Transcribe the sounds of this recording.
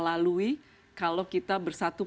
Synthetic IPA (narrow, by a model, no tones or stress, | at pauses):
lalui | kalokit̪abərsat̪u